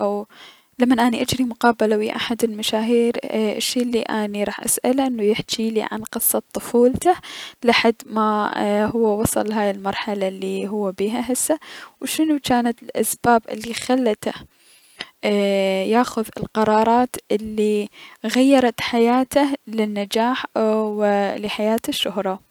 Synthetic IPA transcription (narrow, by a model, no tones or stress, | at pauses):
ʔaw | lamːanʔaːniʔad͡ʒɾimʊqɑːbalawiʔaħad̪ɪlmaʃaːɦiːɾɪ̰ʃːiːlːiʔaniɾˤɑːħʔa̰sʔalʔɪnːujɪħt͡ʃiːlḭʕa̰nqɨsˤːɑt̪ˤːʊfuːlt̪alaħad̪ːmahʊwːawɑsˤɑ̰lːɦaːjɪlmɑɾˤħalalːiɦʊwːabiːɦaɦɪsːawʃɪnut͡ʃaːnat̪ɪlʔasbaːbʔɪ̰lːixalːat̪a | jaːxʊðɪ̰lqɑɾˤɑːɾˤɑːt̪ʔɪlːiɣajːɑɾˤɑt̪ħajaːt̪alɪnːad͡ʒaːħwlɪħajaːt̪ɪʃːʊhɾˤɑ